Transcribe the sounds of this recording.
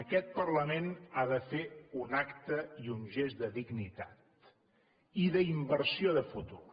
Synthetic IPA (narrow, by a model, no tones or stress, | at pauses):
əkɛt̪̚pərləmenaðəfeunakt̪əiunʒezd̪əðiɡnit̪at̪ | iðəimbəɾsioðəfut̪u